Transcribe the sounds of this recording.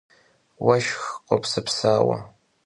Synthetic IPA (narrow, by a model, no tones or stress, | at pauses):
waʃxqʷʼapʰsɨpʰsaːwa̰